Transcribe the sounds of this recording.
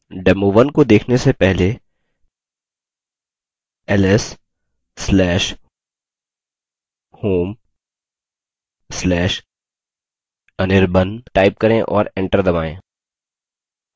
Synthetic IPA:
ɖɛːmoʋənkod̪eːkʰnesepɛɦle | ɛlɛsː | lɛːʃ | hoːm | slɛːʃ | ɐnɪɾbənʈaːɪp̚kɐɾẽʔɔ̰ːɾẽɳʈəɾd̪ɐmaːḛ̃ː

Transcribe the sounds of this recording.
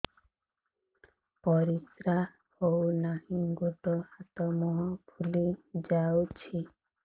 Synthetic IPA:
pɔɾisɾa | ownaɦiɡut̪ɔat̪ɔmɔɦɔpʰulid͡ʒawt͡ʃʰi

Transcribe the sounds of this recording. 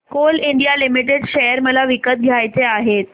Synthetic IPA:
koliɳɖijalimiʈeɖɕejəɾməlaʋikət̪̚ɡʱjajt͡seaɦet̪̚

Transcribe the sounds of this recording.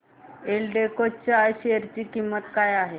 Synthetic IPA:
elɖekot͡ɕaːjɕeəɾt͡ɕiːkimːət̪kajaɦe

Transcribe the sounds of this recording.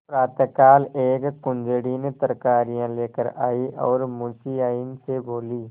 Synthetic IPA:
pɾaːt̪əkaːleːkkʊ̃nd͡ʒɽinet̪əɾkaːɾijãleːkəɾaːiʔɔːɾmʊ̃siaːinseboːliː

